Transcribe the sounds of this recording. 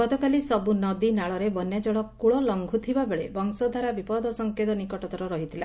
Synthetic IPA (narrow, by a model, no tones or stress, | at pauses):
ɡɔt̪ɔkalisɔbunɔd̪inaɭɔɾebɔnjad͡ʒɔɭɔkuɭɔlɔŋɡʱut̪ʰibabeɭebɔŋsɔd̪ʱaɾabipɔd̪ɔsɔŋket̪ɔnikɔʈɔt̪ɔɾɔɾɔɦit̪ʰila